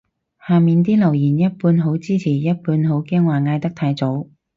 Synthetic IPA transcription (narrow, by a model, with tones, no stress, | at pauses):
haː˨˩miː˨nt̪̬iː˥lɐ˨˩wjiː˨˩njɐ˥t̚puː˧nɦo˨˧˥wt͡siː˥t͡sʰiː˨˩jɐ˥t̚puː˧nɦo˨˥wkɛː˥ŋwaː˨˩ŋaː˧jt̪ɐ˥k̚t̪ʰaː˧jt͡so˨˥w